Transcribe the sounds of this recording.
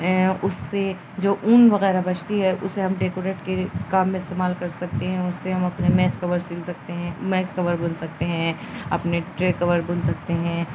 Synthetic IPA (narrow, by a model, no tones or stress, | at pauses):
ɦɛ̃ʊsːe | d͡ʒoːʔuːnʋɐɣɛːɾabɐt͡ʃt̪iɦɛʔʊ̰sːeɦɐmɖeːkoːɾeːʈkekaːmːẽɪst̪eːmaːlkɐɾsɐk̚t̪eɦɛ̃ʊsːeɦɐmɐpnemɛːskɐʋəɾsɪlsɐk̚t̪eɦɛ̃mɛːskɐʋəɾbʊnsɐk̚t̪eɦɛ̃ɐpneʈɾeːkɐʋəɾbʊnsɐk̚t̪eɦɛ̃ː